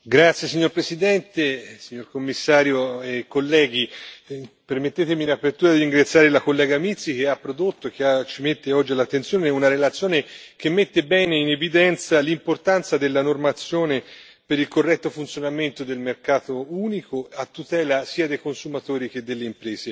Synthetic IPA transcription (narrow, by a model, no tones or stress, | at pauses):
ɡɾat̪sjesiɲːoɾpɾesid̪ɛnt̪esiɲːorkomːisːaːɾjoekːolːɛːɡ̟i | permet̪ːeːt̪emiːnapːert̪uːɾad̪iɾiŋɡɾat̪sjaːɾelakolːɛːɡamit̪sːik̟eapːɾod̪ot̪ːoek̟ːeat͡ʃimet̪ːeɔd͡ʒːialːat̪ːent̪sjoːneunaɾelat̪sjoːnek̟emːet̪ːebɛːneinevid̪ɛnt̪salimport̪ant̪sad̪elːanormat̪sːjoːne | peɾilkorːɛt̪ːofunt̪sjonament̪od̪elmerkaːt̪ouːnikoat̪ːut̪ɛːlasiːad̪ejkonsumat̪oːɾik̟ed̪ːelːeimpɾɛːze